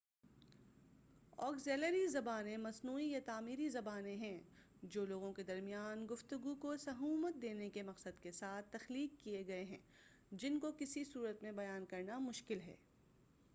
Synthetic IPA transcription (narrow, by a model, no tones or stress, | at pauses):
ɔ̰ːkzeːləɾizɐbaːnẽmɐsnuːijat̪aːmiːɾizɐbaːnẽɦɛ̃ | d͡ʒoːloːɡõked̪ɐɾmijaːnɡʊft̪ʊɡukosɐɦuːmət̪̚d̪eːnekemɐqsəd̪kesaːt̪ʰːɐxliːkːieɡɐeɦɛ̰̃ː | d͡ʒɪnkokɪsisuːɾət̪mẽbɐjaːnkɐɾnamʊʃkɪlɦɛ̰ː